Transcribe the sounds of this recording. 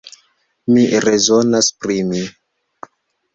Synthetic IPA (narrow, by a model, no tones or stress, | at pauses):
miɾezo̞naspɾimi